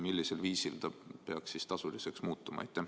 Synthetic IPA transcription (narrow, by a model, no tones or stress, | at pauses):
milːiselviːsilt̪ɑpeɑkssist̪ɑsulise̞ksmuːt̪ːˑumɑ̰ḛjt̪ːˑe